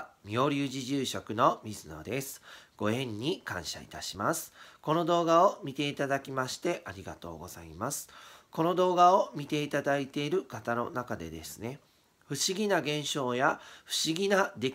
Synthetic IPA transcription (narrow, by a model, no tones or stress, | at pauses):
mʲio̞ɾʲɨːʑiʑɨːɕo̞kɯ̟no̞mʲizɨno̞̰d̪e̞sɨ̥ɡ̥o̞ẽ̞ɲ̟ːikã̰ɰ̃ɕa̰ḭt̪aɕimasɨ̥ko̞no̞d̪o̞ːɡaomʲit̪e̞it̪ad̪akʲimaɕi̥t̪e̞ʔaɾʲiɡa̰t̪o̞̰ːɡo̞̰z̥a̰imasɨ̥ko̞no̞d̪o̞ːɡao̞mʲit̪e̞it̪ad̪ait̪e̞iɾɯ̟kat̪ano̞̰nakad̪e̞̰d̪e̞sɨ̥ne̞ | ɸɯ̟ɕiɡʲinaɡẽ̞ɰ̃ɕo̞ːjaɸɯ̟̥ɕiɡʲinad̪e̞kʲ